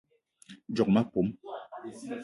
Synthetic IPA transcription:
d͡ʒɔ˨k̚ma˦po˨˦m

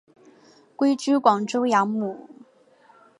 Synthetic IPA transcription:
kwe˥ɪt͡ɕy˥kwɑ˨˩ŋʈ͡ʂo˥ʊjɑ˧˥ŋmu˨˩˦

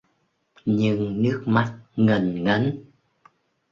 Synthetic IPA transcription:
ɲɨ˧ŋnɨ˦˥ək̚ma˦˥t̚ŋə˨˩nŋə˨˦n

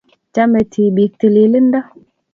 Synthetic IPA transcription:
t͡ʃa˦me˨tʰi˨bi˨k̚te˨le˨le˦n˦da˦

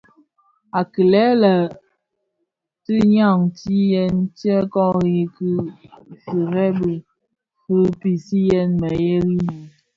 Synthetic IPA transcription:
a˨ki˨lɛ˦lə˨ | ti˦ɲa˦˨ŋti˦jɛ˦ntjɛ˦kɔ˦ɣi˦ki˦si˨ɾɛ˦bə˨ | fɨ˦pi˨si˦jɛ˦nmə˨je˦ɣi˦ni˨

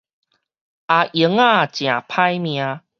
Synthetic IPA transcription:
ʔa˨ʔə˨˦ŋa˥˧˨t͡ɕj̃ã˨˩pʰa˦jmj̃ã˧˦

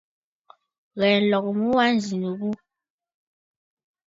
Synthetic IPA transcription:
ɣɛ˨n̩˨lɔ˨kmu˦wa˦n˨zi˨nu˨ɣu˦

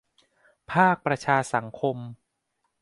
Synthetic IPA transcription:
pʰaː˥˩k̚pɾa˧t͡ɕʰaː˧sa˩˦ŋkʰo˧m

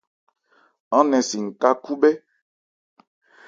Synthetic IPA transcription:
ɔ̃˦nɛ̃˨si˨ŋ̩˨ka˦ku˦bɛ˦

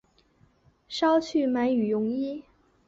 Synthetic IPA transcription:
ʂɑ˥ʊt͡ɕʰy˥˩ma˧˥ɪy˨˩jʊ˧˥ŋi˥

